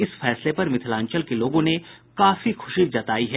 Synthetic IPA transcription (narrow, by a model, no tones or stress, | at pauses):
ɪsfɛːslepɐɾmɪt̪ʰɪlãːɲt͡ʃəlkeloːɡõnekaːfixʊʃid͡ʒɐt̪aːiɦɛː